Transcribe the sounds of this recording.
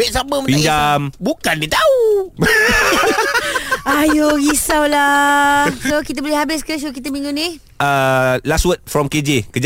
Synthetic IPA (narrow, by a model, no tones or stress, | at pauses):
wɛʔsaməməpiaɲd͡ʒambukandit̪au | ajoɡisawla | sokit̪əbəlihabɪskəs̬okit̪əmiŋũni | əlaswət̪̚fɾɔmked͡ʒekəd͡ʒa